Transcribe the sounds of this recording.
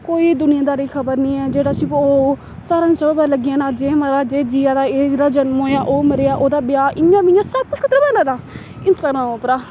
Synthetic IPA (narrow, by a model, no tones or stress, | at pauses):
koːiːd̪ʊnɪjãːd̪aːɾiːkʰəbəɾnĩːɛːd͡ʒeːɽaːsiːpoː | saːɾãːsəbpɛləɡɪjãːnaːd͡ʒeːməɾaːd͡ʒeːd͡ʒiːaːd̪aːeːaːd͡ʒənmɦoːjaːʔoːməɾeːaːʔoːd̪aːbɪjaːʔɪãːbiɪjãːsəb̚kʊt͡ʃkʰət̪ɾəbɛːnãːd̪aː | ɪnsaɾãːõːpɾaː